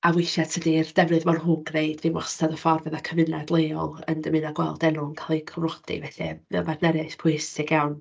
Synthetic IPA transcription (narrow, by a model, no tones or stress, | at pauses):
awejʃatʰədird̥ɛvrɨðmɔnɦuɡneɨd̥viwɔstaðəfɔrvɛðakʰəvɨnadlˠeːɔlˠə̰ndəmɨnaɡwɛ̰lˠdɛnʊŋkʰalˠikʰɔvrɔd̥ḭvɛɬɛvɛ̰lˠmadnɛɾɪspʰʊɪsɪɡjawn